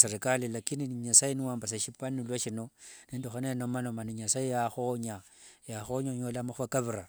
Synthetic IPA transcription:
seɾikalilakiniɲasajiniwaːmbas̬eʃipanilwaʃinonindoxanenomanomaniɲasajijaxoɲa | jaxoɲaɲolamaxakaβiɾa

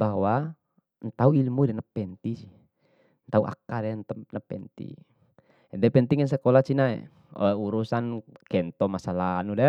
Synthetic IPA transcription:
b̥awa | nt̪auilmudɛnapɛnt̪isi | nt̪auʔa̰kadɛnt̪əmnəpɛ̰nt̪ḭ | ɛdɛpɛnt̪iŋɛns̬ɛkɔlat͡ʃinaɛ̰ | uɾusankɛnt̪ɔmasalanudɛ

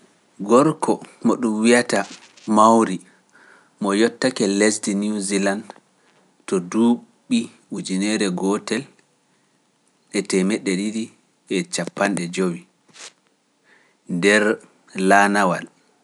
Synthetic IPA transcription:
ɡɔɾkʰɔmɔɗumwiata | mawɾi | mɔjɔtːakɛlɛsdinuziland | tɔduɓːi | ud͡ʒinɛɾɛɡɔtɛl | ɛtɛmɛɗːɛdiɾi | ʔɛt͡ʃapːanɗɛd͡ʒowi | ndɛɾ | lanawal

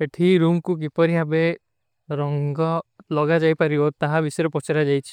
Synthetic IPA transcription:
eʈʰiɾumkuk̬ipɔɾiɦabe | ɾɔŋɡɔlɔɡad͡ʒajpaɾiot̪aɦabisɔjɔɾepɔt͡ʃaɾad͡ʒajt͡ʃʰi̥

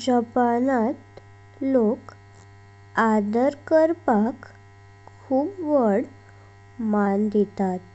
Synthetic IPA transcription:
d͡ʑəpanat̪ | lok | ad̪əɾkəɾpakʰː | uːpʋəɽ | mand̪et̪at̪

